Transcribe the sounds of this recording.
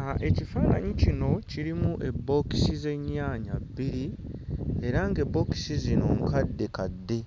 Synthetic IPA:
ʔe̞cifaːna̰ɲicino̞ciɾimuʔe̞bːo̞ki̥size̞ɲːaːɲabːiɾi | e̞ɾaŋɡe̞bːo̞ːki̥sizino̞̰ŋkadːe̞kadːe̞

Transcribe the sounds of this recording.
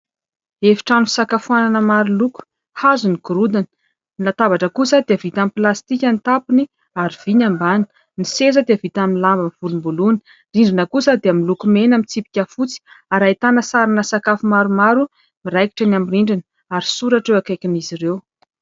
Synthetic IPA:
efi̥ʈ͡ʂanusakafuananəmaɾuluku̥ | hazuniɡuɾud̪anə̥ | nilat̪avaʈ͡ʂəkusad̪eavit̪amiplast̪ikʲant̪apini | aɾiv̥iɲambani̥ | nisezəd̪eəvit̪aminlambəmiv̥ulumbuluni̥ | riɳɖ͡ʐinəkusəd̪eamilukumenamit͡sipi̥kʲafut͡si̥aɾait̪anəsaɾinəsakafumaɾumaɾu | miɾajki̥ʈ͡ʂanamriɳɖ͡ʐin | aɾisuɾaʈ͡ʂewakajkʲiniziɾew

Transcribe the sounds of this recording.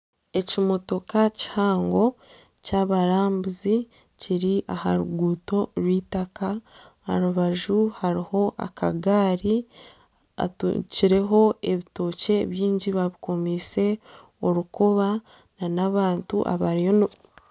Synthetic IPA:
e̞cimo̞to̞kaci̥haːŋɡo̞ | caβaɾaːmbuzi | ciɾiʔahaɾuɡuːto̞ɾwiːtaka | ha̰ɾuβaʒuhaɾiho̞ʔa̰kaɡaːɾi | a̰tṵciɾe̞ɦo̞e̞βito̞ːce̞βjiːɲɟiβaβiko̞mise̞ | o̞ɾukoβa | nanaβaːntṵʔa̰βaɾijon

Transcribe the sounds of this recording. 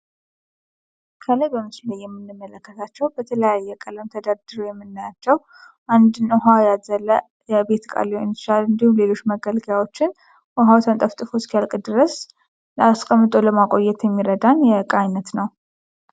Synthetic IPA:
kʰələjbəmɨsləjːɛmːɨnːɨmːələkːət̪ʰat͡ʃːɛwbət̪ʰələjajːɛkʼələmt̪ʰəd̪ad̪ɨɾojɛmːɨnːajat͡ʃːɛw | ʔand̪ɨnuɦajazələ | jɛbe̞t̪kʼa̰lːehont͡ʃːalɨnd̪ihumle̞lo̞t͡ʃːməɡəlɡjawo̞t͡ʃːɪn | ʔɔɦawt̪ʰənt̪ʼəft̪ʼɨfoskijalkʼd̪ɨɾəs | ləaskʼəmːɨt̪ʼo̞ləmakʼo̞jːɛt̪jɛmːiɾəd̪anjɛkʼajnət̪nəw

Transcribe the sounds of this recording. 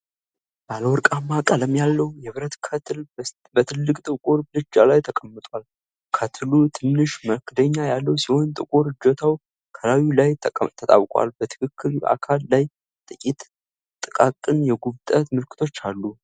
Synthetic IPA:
b̥aləwɔɾkʼamːakʼələmjalːəwjɛβɨɾət̪kʰət̪ʰl | bət̪ʰɨlːɨkʼt̪ʼɨkʼuɾblɨd͡ʒalajt̪ʰəkʼəmːɨt̪ʼwal | kʰət̪ʰɨlut̪ʰɨnːɨʃməkʰɨd̪əɲːajalːəwsiho̞nt̪ʼɨ̰kʼuɾɨd͡ʒot̪ʰaw | kʰəlawilajt̪ʰət̪ʼa̰wkʼwa̰lbət̪ʰɨ̥kʰɨkʰːɨɾa̰kʰalːaj | t̪ʼɨkʲʼit̪ʼ | t̪ʼɨkʼakʼɨnjɛɡuβt̪ʼət̪mɨlkʰɨ̥t̪ʰo̞t͡ʃːalːu

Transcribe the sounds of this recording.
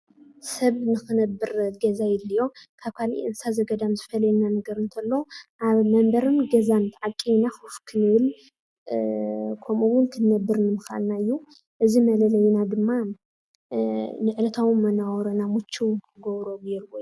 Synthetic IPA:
sɐβnɨxɨnɐbːɨɾɡɐzajɪlːijo̞kʰaβkʰalḭʔɨnsazɐɡɐd̪amzɨfɐlɐjnanɐɡɐɾɨnt̪ʰɐlːoʔaβmɐmbɐɾɨnɡɐzant̪ʰaʕakʼijnaxɨfkʰɨnɨβɨl | kʰomʔuwʊnkʰɨnːɐbːɨɾnɨmɨxa̰lnaɨjːu | ʔɨzimɐlɐlɐjnad̪ɨmːa | nɨʕɨlɐt̪ʰawɨmmːɐnawɔɾɐnamut͡ʃʰːuwkʰɨɡoβɾobjɛɾwojːu

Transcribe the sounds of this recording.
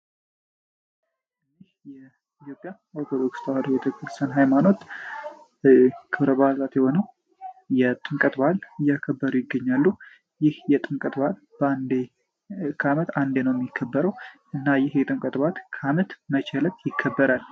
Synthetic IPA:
ɨnihjɛ | it̪ʰjo̞pʼja | oɾt̪ʰod̪o̞kst̪ʰəwad̪əbet̪ʰəkɨɾst̪ʰənɦajmano̞t̪ | kʰɨβɾəbazat̪jɛho̞nəw | jɛt̪ʼɨŋkʼət̪balɨjːakʰəbːəɾujɪɡːəɲːalːu | jɪhjɛt̪ʼɨŋkʼət̪bal | bəand̪e | kʰamət̪and̪enəwjɛmjɪkʰːəbːəɾəwʔɨnːajɪhjɛt̪ʼɨŋkʼət̪ʼbat̪kʰamət̪mət͡ʃʰɛlət̪jɪkʰːəbːəɾal

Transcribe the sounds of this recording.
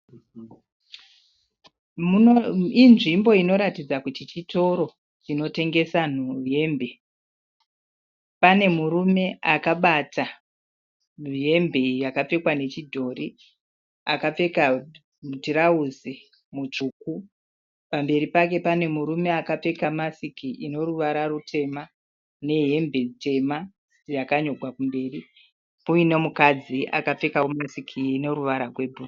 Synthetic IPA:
muinʐimbo̞ino̞ɾatid͡zakutit͡ʃito̞ɾo̞ | t͡ʃino̞te̞ŋɡe̞sanuje̞mbe̞ | pane̞murume̞akaɓata | nuje̞mbe̞jakap͡fe̞kwane̞t͡ʃidʱo̞ːri | akap͡fe̞ka | mutiɾauzi | mut͡ʂuːku | pambe̞ɾipak̬e̞pane̞muɾume̞akap͡fe̞kamasikiʔino̞ruʋaɾarutʰe̞ma | ne̞ɦe̞mbʱe̞te̞ma | jakaɲo̞ɡʱwakumbe̞ːri | ujinemukad͡ziʔa̰kap͡fe̞kawomasikʰiːno̞ɾuʋaɾarwe̞bʱu

